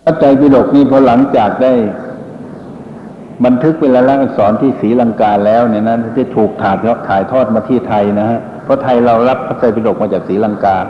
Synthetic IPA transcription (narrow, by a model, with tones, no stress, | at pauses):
pʰa˦˥˩t͡ɕa˧jpiː˧˩do˨˩k̚niː˥˩pʰɔ˧˩la˩˦ŋt͡ɕaː˨˩k̚daː˥˩j | ba˧nt̪ʰɯ˦˥k̚pe˧˥laː˧la˦˧˥ʔa˧˩sɔː˩˦nt̪ʰiː˥˩siː˩˦la˧ŋkaː˧lɛː˦˥˩wni˧˩na˧˥na˧˩da˥˩jt̪ʰuː˨˩k̚t̪ʰaː˨˩˧t̪ʰaː˨˩˦jt̪ʰɔː˥˩t̪̚maː˧t̪ʰiː˥˩t̪ʰa˧jna˦˥ha˧˥ʔ | pʰɔ˦˧˥t̪ʰa˧jɾa˧wla˦˥p̚kʰa˧˥˩t͡ɕa˧jpi˧do˨˩k̚maː˧t͡ɕaː˨˩k̚siː˩˦la˧ŋkaː˧